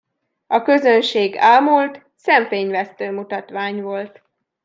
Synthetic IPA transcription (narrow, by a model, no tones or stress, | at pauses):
ɒkø̞zø̞nʃeːɡaːlmult̪ | sɛɱfeːɲvɛst̪øːmut̪ɒt̪ʋaːɲvo̞lt̪